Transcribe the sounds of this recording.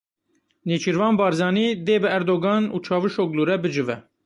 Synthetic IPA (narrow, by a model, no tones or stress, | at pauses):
neːt͡ʃʰiɾvɑːnbɑːɾzɑːniːd̪eːbɨæɾd̪oɡɑːnṵːt͡ʃʰɑːvɨʃoɡluːɾɛbɨd͡ʒɨvɛ̰